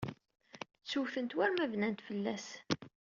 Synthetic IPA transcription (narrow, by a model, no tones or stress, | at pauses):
t͡sːuθənt̪wæɾmævnænt̪fəlːæs